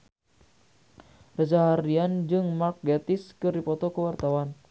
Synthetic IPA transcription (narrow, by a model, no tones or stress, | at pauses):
rad͡ʒaɦaɾiand͡ʒɨŋmark̚ɡet̪ɪskɨrdipɔt̪ɔkəwart̪awan